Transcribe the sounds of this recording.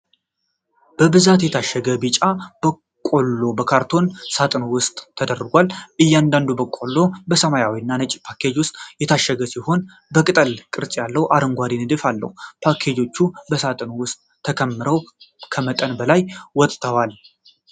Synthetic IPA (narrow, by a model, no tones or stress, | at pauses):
b̥əbɨzat̪jɛt̪ʰaʃːəɡəbɨt͡ʃʼab̥ə | kʼo̞lːo̞bəkʰaɾt̪ʰo̞nsat̪ʼɨnwʊst̪ʼʰːəd̪ərːɨɡʷalʔɨjːand̪and̪ubəkʼo̞lːo̞bəsəmajawiɨnːanət͡ʃʼpʰakʰed͡ʒwʊst̪ʼjɛt̪ʰaʃːəɡəsiho̞n | bəkʼɨt̪ʼəlkʼɨɾt͡sʼjalːəwʔaɾəŋɡʷaɾinɨd̪ɨfalːə̰hupʰakʰe̞d͡ʒo̞t͡ʃːubəsat̪ʼɨnwʊst̪ʼʰːəkʰəmːɨɾəwkʰəmət̪ʼənbəlajwɔt̪ʼt̪ʰəwal